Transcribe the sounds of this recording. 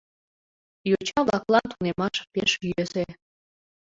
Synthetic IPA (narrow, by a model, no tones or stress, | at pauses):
jot͡ɕɑβlɑklɑnt̪unemɑʃpeʃjøse